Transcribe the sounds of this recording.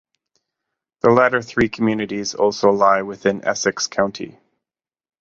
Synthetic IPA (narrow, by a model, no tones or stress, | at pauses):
ðəlæɾə˞θɹikʰmjʉnɨɾizɔ̰lˠsoʊlaɪwɪθɪ̃nɛ̰sɨkskʰãʊ̃ntʰḭ